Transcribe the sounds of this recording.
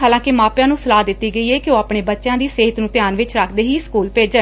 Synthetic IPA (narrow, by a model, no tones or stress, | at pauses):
ɦaːlãːkɪmaːpjãːnũːsəlaːd̪ɪt̪ːiːɡəiːɦɛːkɪoːaːpɳeːbətːʃjãːd̪iːseːɦət̪nũːt̪ɪjaːnʋɪt͡ʃɾakʰd̪eːɦiːskuːlpeːd͡ʒə